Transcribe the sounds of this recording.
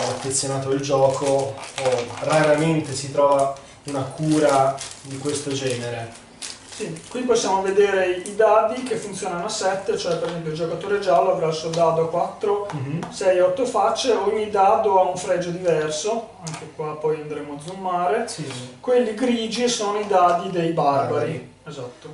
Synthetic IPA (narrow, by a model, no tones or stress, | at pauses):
afːet̪sːjonaːt̪oild͡ʒɔːkooraɾament̪esit̪ɾɔːva | unakuːɾad̪ikwest̪od͡ʒɛːneɾe | sikwiposːjaːmoved̪eːɾeid̪aːd̪ikefːunt̪sjoːnanoasɛt̪ːet͡ʃoɛpːeɾezɛmp̬joild͡ʒokat̪oːɾed͡ʒaːloavɾailsuod̪aːd̪oakwat̪ːɾosɛjɔt̪ːofat͡ʃːeoɲːid̪aːd̪oauɱfɾɛd͡ʒod̪ivɛrso | aŋk̟ekwapːɔjand̪ɾeːmoad̪zumːaːɾeikwelːiɡɾiːd͡ʒisoːnoid̪aːd̪id̪ejbarbaɾi | ezat̪ːo